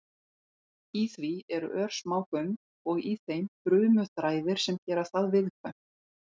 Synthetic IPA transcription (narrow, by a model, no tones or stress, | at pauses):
iθviɛɾʏ̰ʔœɾ̥smaːwkœn | ɔɣiθejmpɾʏːmœt̪ɾaːjðɪɾ̥sɛmcɛːɾast̪aðvɪðkʰvœn̥